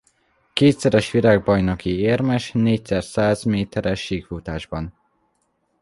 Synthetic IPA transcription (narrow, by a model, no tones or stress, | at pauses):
keːt̪sɛɾɛʃʋiɾaːɡ̚bɒjno̞kieːrmɛʃneːc̚sɛrsaːzmeːt̪ɛɾɛʃːiːkfut̪aːʒbɒn